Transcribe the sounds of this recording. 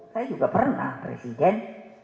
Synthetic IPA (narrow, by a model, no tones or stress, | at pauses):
sajad͡ʒuɡapərna̰hpɾḛsidɛn